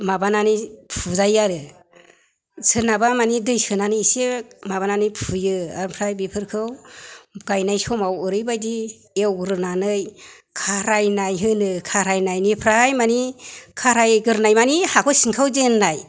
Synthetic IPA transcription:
mabananipʰuzajaɾɯ | sɯnabamanidɯjsɯnanɯjsemabananɯjpʰujɯa̰ɾpʰɾajbipʰɯɾkʰɯw | ɡ̥ajnajsɔmawɯɾɯjbajdi | ewɡɯɾɯnanɯj | kʰaɾajnajɦɯnɯkʰaɾajnajnipʰɾajmanikʰaɾajɡɯɾnajmanihakʰɯsiŋkʰawzenːaj

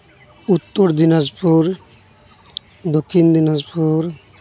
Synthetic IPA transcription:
ut̪ːoɾd̪inazpuɾ | d̪okʰːind̪inazpʰuɾ

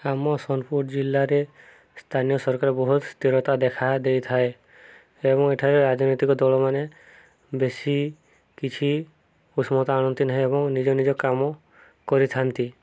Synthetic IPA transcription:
amɔsɔnpuɾʈd͡ʒilːaɾe | st̪ʰanijɔsɔɾkaɾɔbɔɦut̪st̪iɾɔt̪ad̪ekʰad̪ejt̪ʰae | ebɔŋeʈʰaɾeɾad͡ʒnot̪ikɔd̪ɔlɔmane | besi | kit͡ʃʰi | usmɔt̪aaɽ̃ɔnt̪inaɦĩebɔŋnid͡ʒɔnid͡ʒɔkamɔ | kɔɾit̪ʰant̪i

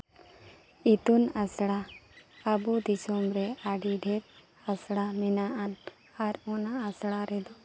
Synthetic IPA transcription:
it̪unasɽaabud̪isɔmɾɛaɖiɖʱɛɾ | asɽaminaʔan | aɾɔnaːsɽaɾɛd̪ɔ

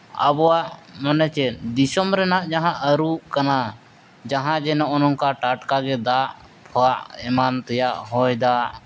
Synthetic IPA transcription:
ə̰bɔwaʔmanɛt͡ʃɛd̪isɔmɾɛnaʔd͡ʒaɦãʔəɾukana | d͡ʒaɦãd͡ʒɛnɔʔɔnɔŋkaʈaʈkaɡɛd̪aʔ | pʰɔaʔɛmant̪ɛjaʔhɔjd̪aʔ

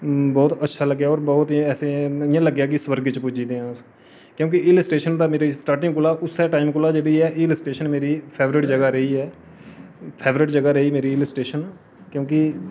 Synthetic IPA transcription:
bɔːt̪ətːʃʰaːləɡjaːɔːɾbɔːt̪ɛːsejãːləɡjaːkɪswəɾɡt͡ʃpʊd͡ʒiːd̪ẽːãːs | kjõːkɪɪləsʈeːʃənd̪aːmeːɾiːsʈaːɾʈɪ̃ŋɡkʊlaːʔʊsɛːʈaːɪmkʊlaːd͡ʒeːɽiːɛːʔɪːləsʈeːʃənmeːɾiːpʰeːʋɾɪʈd͡ʒəɡaːɾəɦiːɛː | pʰeːʋɾɪʈd͡ʒəɡaːɾəɦiːmeːɾiːɪləsʈeːʃən | kjõːkɪ

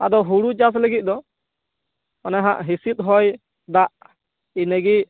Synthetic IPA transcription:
ad̪ɔɦuɽud͡ʒas̬ləɡit̪̚d̪ɔ | ɔnɛɦa̰ʔɦisit̪̚ˀɦɔj | d̪aʔ | inəɡi

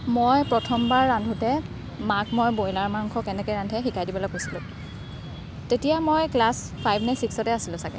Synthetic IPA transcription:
mɔjpɹɔtʰɔmbaɹːandʱutɛ | makmɔjbojlaɹmaŋkʰɔkɛnɛkɔjɹandʱɛxikajdibɔlɔkːojsilʊ̰̃ | tetijamɔjklas | pʰajbʱnɛsiksɔtɛasilʊ̃sakɛ̰

